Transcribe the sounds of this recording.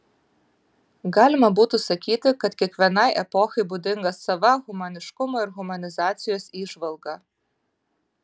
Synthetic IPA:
ɡɑːlʲɪmɐbuːt̪ʊsɐkʲiːt̪ʲɪkɐt̪kʲiɛkʋʲiɛnɐɪʔɛpɔxɐɪbud̪ʲɪŋɡɐsːɐʋɐɣʊmɐnʲɪʃkʊmoːɪɾɣʊmɐnʲɪzɑːt̪sʲɪjoːsiːʒʋɐlˠɡɑ

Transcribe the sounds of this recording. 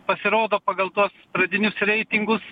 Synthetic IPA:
pɐsʲɪɾoːd̪oːpɑːɡɐlˠt̪uɔsspɾɐd̪ʲɪnʲʊsɾʲɛɪt̪ʲɪŋɡʊs

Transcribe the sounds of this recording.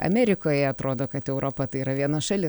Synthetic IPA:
ɐ̰mʲæːɾʲɪkoːjɛɐt̪ɾoːd̪oːkɐt̪ɛʊɾʔoːpɐt̪ɐɪiːɾɐʋʲiɛnɐsʃɑlʲɪ

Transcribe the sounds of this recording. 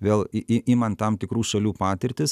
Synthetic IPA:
ʋʲeːlˠɪmɐnt̪ɐmt̪ʲɪkɾuːʃɐlʲuːpɑːt̪ʲɪɾʲt̪ʲɪs

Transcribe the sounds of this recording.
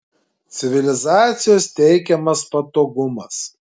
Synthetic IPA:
t̪sʲɪʋʲɪlʲɪzɑːt̪sʲɪjoːst̪ʲɛɪkʲɛmɐspɐt̪oːɡʊmɐs

